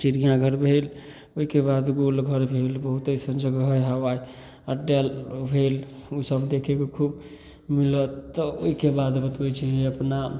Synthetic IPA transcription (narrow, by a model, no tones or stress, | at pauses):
t͡ʃiɾijãɡʱəɾbʱel | oɦikebad̪ɡolɡʱəɾbʱelbəɦut̪əsə̃nd͡ʒəɡɦəjɦəʋaj | əɖelbʱelusəbd̪ekʰekekʰub | milət̪ːɔo̰ikebad̪bət̪ət͡ʃʰɛd͡ʒeəpna